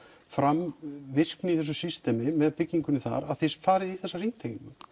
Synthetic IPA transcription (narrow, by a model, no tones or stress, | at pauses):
fɾamvɪr̥knɪiθɛs̬ʏsist̪ɛmɪmɛðpɪcːiŋkʏnʏθa̰ɾaðθejsfaːɾɪðiθɛsːarin̥t̪ʰeiŋkʏ